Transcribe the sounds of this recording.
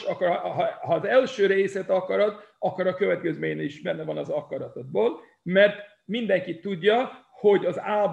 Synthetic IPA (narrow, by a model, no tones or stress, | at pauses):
ɒkɾɦhɒːzɛlʃøːɾeːsɛt̪ɒkɒɾɒt̪ɒkːoɾɒkø̞vɛt̪kɛzmeːɲniʒbɛnːɛvɒnɒzɒkɒɾɒt̪od̪̚boːl | mɛrt̪ | mind̪ɛŋkit̪ːuɟːɒ | ho̞ɟɒzaːlb